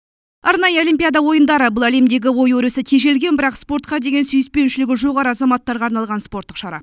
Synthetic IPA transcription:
ɑɾnɑjəolijmpʲijad̪ɑwo̞jənd̪ɑɾəbʊlˠæle̞md̪e̞ɡʲɪwo̞jwɵɾesɪkʲʰe̞ʒe̞lɡʲe̞nbɪɾɑqspo̞ɾt̪qɑd̪e̞ɡʲe̞nsʏjɪspe̞nʃɪlɪɡʲɪʒo̞ʁɑɾəɑzɑmɑt̪ːɑɾʁɑːɾnɑlˠʁɑnspo̞ɾt̪ːəqʃɑɾɑ̰p

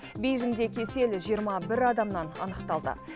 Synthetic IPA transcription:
bʲijʒɪmd̪e̞kʲʰe̞se̞lʒijəɾmɑbɪɾɑd̪ɑmnɑnɑ̰nəqt̪ɑlˠd̪ə̰

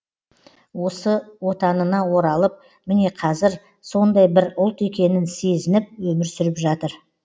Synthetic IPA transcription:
wo̞səwot̪ɑnənɑwo̞ɾɑlˠəp̚ | mɪne̞qʰɑzɪɾ | so̞nd̪ɑjbɪɾʊlˠt̪e̞kʲe̞nɪnse̞zɪnɪp̚wɵmɪɾsʏɾɪpʒɑt̪əɾ

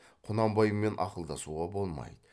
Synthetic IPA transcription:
qʰʊnɑmbɑjəmːe̞nʔɑ̰qəlˠd̪ɑsuʁɑbolˠmɑ̰jd̪ə

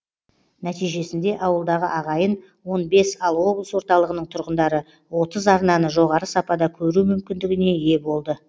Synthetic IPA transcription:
næt̪ijʒe̞sɪnd̪e̞ʔɑwəlˠd̪ɑʁəʔɑʁɑjən | wo̞nbe̞sɑlˠwo̞blˠəswo̞ɾt̪ɑlˠəʁənəɴt̪ʰʊɾʁənd̪ɑɾə | wo̞t̪əzɑɾnɑnəʒo̞ʁɑɾəsɑpɑd̪ɑkʲʰɵɾumʏmkʲɪnd̪ɪɡʲɪne̞je̞bo̞lˠd̪ə

